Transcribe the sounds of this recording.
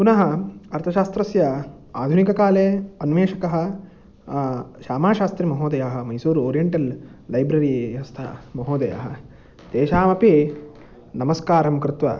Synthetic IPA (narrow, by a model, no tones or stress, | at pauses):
punɐɦɐɐɾt̪ʰɐʃaːst̪ɾɐsjɐ | a̰ːd̪ʱunikɐkaːleːɐnʋeːʃɐkɐɦɐ̆ | ʃaːmaːʃaːst̪ɾimɐɦoːd̪ɐjaːɦɐ̆mɐjsuːɾoːɾijɐɳʈɐlːɐjbɾɐɾiʋjɐʋɐst̪ʰɐ̰mɐɦoːd̪ɐja̰ːɦɐ̆ | d̪̥eːʃaːmɐpi | nɐmɐskaːɾɐmkɾɪt̪ʋɐ̰